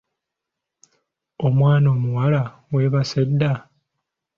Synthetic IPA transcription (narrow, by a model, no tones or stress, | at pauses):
omwaːno̞ːmuwala | we̞ːβasedːa